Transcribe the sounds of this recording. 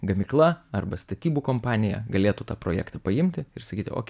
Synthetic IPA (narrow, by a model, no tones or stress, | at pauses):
ɡɐmʲiːklˠɐɐrbɐst̪ɐt̪ʲiːbukoːmpɑːnʲɪjɛ̰ɡɐlʲeːt̪ut̪ɑːpɾoːjæ̰ːkt̪ɐpɐɪmʲt̪ʲɪɪɾsɐkʲiːt̪ɪo̰ːkʲ